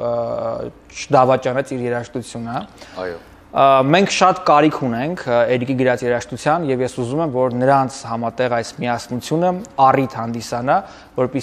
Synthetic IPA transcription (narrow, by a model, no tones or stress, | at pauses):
t͡ʃʰəd̪ɑvɑt͡ʃɑnɛt͡sʰiɾjɛɾɑʃt̪ut͡sʰjunəj | mɛŋkʰʃɑt̪kɑɾikʰunɛŋkʰɛɾɡiɡəɾɑt͡sjɛɾɑʃt̪ut͡sʰjɑnjɛvjɛsuzumɛmvɔɾnəɾɑnt͡sʰhɑmɑt̪ɛʁɑjsmiɑsnut͡sʰjunəɑrit̪hɑnd̪isɑnɑ | vɔɾpi